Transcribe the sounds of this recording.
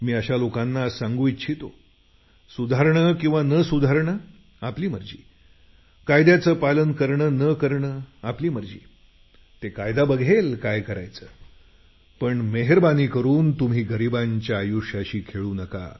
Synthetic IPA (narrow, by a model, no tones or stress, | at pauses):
miːəɕalokanːasãŋɡuːit͡ɕʰit̪o | sud̪ʱaɾɳəkĩw̃ʋanəsud̪ʱaɾɳə | apliːməɾd͡ʑiː | kajd̪jat͡səːpalənkəɾɳənəkəɾɳəapliːməɾd͡ʑḭː | t̪ekajd̪abəɡʱelkajkəɾa̰jt͡səː | pəɳmeɦeɾbaniːkəɾuːnt̪um̤iːɡəɾibaɲt͡ɕjaːjuʂaɕiːkʰeɭuːnəka̰